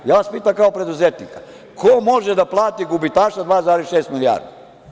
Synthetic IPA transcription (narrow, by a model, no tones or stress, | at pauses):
jaːʋaspiːt̪amkaopɾed̪uzet̪nika | kʰomo̞ʒed̪aplˠaːt̪iɡubit̪aːʃad̪ʋaːzaːɾesʃeːst̪milija̰ɾd̪a